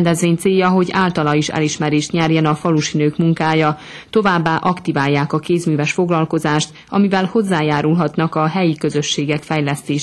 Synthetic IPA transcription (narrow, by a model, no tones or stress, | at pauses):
nd̪ɛzʋeːɲt̪seːjːɒɦo̞ɟaːlt̪ɒlɒiʃɛ̰liʃmɛɾeːʃt̪ɲɛrjɛnɒfɒluʃinøːkmuŋkaːjɒ | t̪o̞vaːbːaːʔɒkt̪ivaːjːaːkɒkeːzmyːvɛʃfo̞ɡlɒlko̞zaːʃt̪ | ɒmivɛlho̞zːaːjaːɾulɦɒt̪nɒkɒɦɛjikø̞zø̞ʃːeːɡɛkfɛjlɛst̪eːʃ